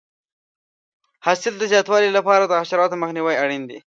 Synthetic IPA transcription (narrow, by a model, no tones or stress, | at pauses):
hɑsɪld̪əzjɑt̪wɑlilapɑɾad̪əɣaʃaɾɑt̪oməxniwajaɽind̪ḭ